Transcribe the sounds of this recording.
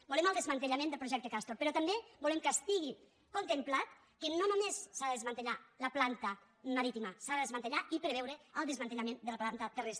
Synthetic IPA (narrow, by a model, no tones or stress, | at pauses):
buleməlˠd̪əzmant̪əʎamẽnd̪əlpɾuʒɛkt̪əkast̪ɾoɾpəɾɔt̪ambebulemkəst̪iɣi | kont̪emplat̪̚ | kənonomesːaðəðezmant̪əʎaləplant̪ə | maɾit̪imasaðəðezmant̪əʎaipɾeβɛwɾəəlˠd̪əzmant̪əʎamend̪ələplant̪ət̪əresɾ